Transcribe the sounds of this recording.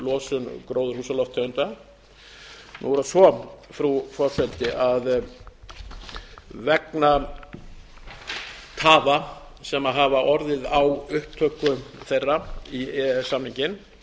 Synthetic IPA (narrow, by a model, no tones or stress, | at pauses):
lɔːsʏnkɾoːwðʏɾ̥huːsalɔft̪ʰːœʏnt̪a | nṵɛɾasɔfɾufɔɾfɛlt̪ɪʔað | vɛkna | t̪ʰaːva | sɛmaɦavaʔɔɾðɪðawʏhpt̪ʰœːkʏθejrːaiɛsamniɲcɪn